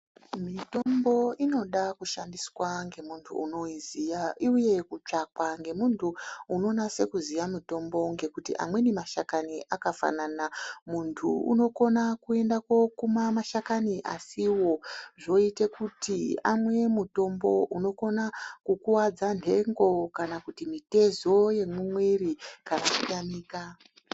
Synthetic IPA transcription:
mito̞mbo̞ino̞ɗakuʃandiswaŋɡe̞muntʰṵːno̞iziaiuje̞kut͡ʂakwaŋɡe̞muntʰuuno̞nase̞kuzijamito̞mbo̞ŋɡe̞kutḭʔa̰mwe̞nemaʃakaniʔakafa̰naːnamuntʰuṵno̞ko̞nakue̞ndakwo̞kumamaʃakaniʔa̰siwo̞ʐo̞ite̞kutiamwe̞muto̞mbo̞ʔuno̞ko̞nakukuwad͡zandʱe̞ŋɡo̞kanakutimite̞zo̞je̞mwimwerikanakukamiːka

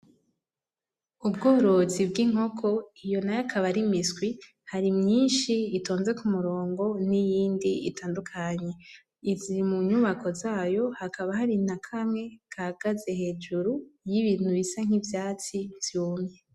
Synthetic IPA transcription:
ubɡoːɾozibɡiŋo̞kʰo̞ijo̞najakʰaβaɾimisɡwi | haɾimɲiːnʃiːtoːnze̞kumuɾo̞ːŋɡo̞nijiːndiitaːndukʰaɲe̞ | izimuɲuβakʰo̞zaːjo̞hakaβaɦaɾinakʰamŋe̞kʰaɡ̥aze̞he̞ːd͡ʒuɾujiβiːn̥huβisaŋ̥ivjaːt͡siv̥juːmɲe

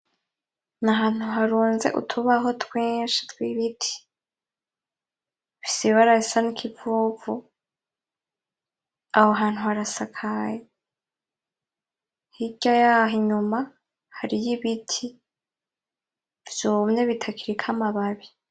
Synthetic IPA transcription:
naɦaːn̥huɦaɾuːnze̞̰ʔṵtʰuβaɦo̞tweːnʃḁtwiβitʰi̥ | βisiβaɾaisanikʰivuvu | ahoɦaːn̥huhaɾasakʰaje | hiɟajaɦiɲuma | haɾijiβitʰi | vjomɲe̞βitʰakʰiɾikʰamaβaβi

